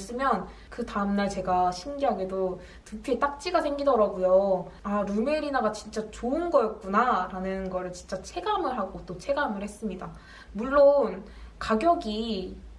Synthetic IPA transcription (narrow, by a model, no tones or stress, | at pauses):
s͈ɯmjʌn | kɯtaɯmnaɭt͡ɕe̞ɡaɕʰimɡiɦaɡedo | tupʰiet͈ak̚t͡ɕ͈iɡasʰe̞ŋɡidʌɾaɡujo | aɾume̞ɾinaɡat͡ɕint͡ɕ͈at͡ɕoɯnɡʌjʌt̚k͈unaɾanɯnɡʌɾɯɭt͡ɕint͡ɕ͈at͡ɕʰe̞ɡamɯɭɦaɡot͈ot͡ɕʰe̞ɡamɯɭhe̞s͈ɯmɲida | muɭːon | kaɡjʌɡi